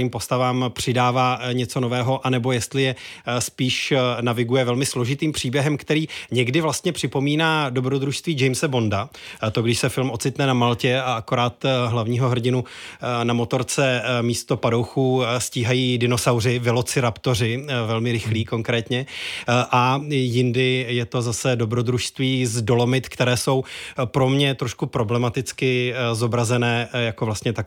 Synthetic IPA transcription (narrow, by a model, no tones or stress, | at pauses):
iːmpo̞st̪avaːmpr̝̥ɪdaːvaːɲɛt͡so̞novɛːɦo̞ʔanɛbo̞jɛst̪lɪjɛspiːʃnavɪɡujɛvɛlmɪslo̞ʒɪt̪iːmpr̝̥iːbjɛɦɛmkt̪ɛɾiːɲɛɡdɪvlast̪ɲɛpr̝̥ɪpo̞miːnaːdo̞bɾod̪ɾuʃst̪viːd͡ʒɛjmsɛbo̞ndat̪o̞ɡdɪʃsɛfɪlmʔot͡sɪt̪nɛnamalcɛaako̞ɾaːt̪ɦlavɲiːɦo̞ɦr̩ɟɪnunamo̞t̪o̞ɾt͡sɛmiːst̪o̞pado̞wxuːsciːɦajiːdɪno̞sawrɪvɪlo̞t͡sɪɾapt̪o̞r̝ɪvɛlmɪɾɪxliːko̞ŋkɾɛːt̪ɲɛʔajɪndɪjɛt̪o̞zasɛdo̞bɾo̞d̪ɾuʃst̪viːzdo̞lo̞mɪt̪kt̪ɛɾɛːso̞wpɾo̞mɲɛt̪ɾoʃkupɾo̞blɛmat̪ɪt͡skɪzo̞bɾazɛnɛːjakovlast̪ɲɛt̪ak